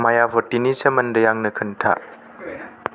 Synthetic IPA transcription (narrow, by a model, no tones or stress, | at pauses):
majabʱɔtinisɐmɐndɐjaŋnɐkʰɐntʰa̰